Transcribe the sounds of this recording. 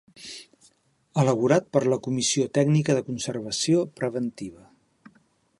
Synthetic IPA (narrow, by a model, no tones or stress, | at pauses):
ələβ̞uɾat̪̚pəɾləkumisiot̪ɛɡnikəðəkunsərβəsiopɾəβənt̪iβ̞ə